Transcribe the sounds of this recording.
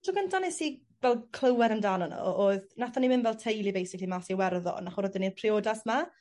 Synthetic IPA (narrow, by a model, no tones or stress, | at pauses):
tʰuɡəntʰanɪsi | vɛlˠkʰl̥ˠəwɛɾəndaːnɔnɔ̰oːðnaθɔnimɪndvɛlˠtʰejlˠibejsɪklˠimasiwɛrðɔ̰naχɔrɔdɪnirpʰrioːdasma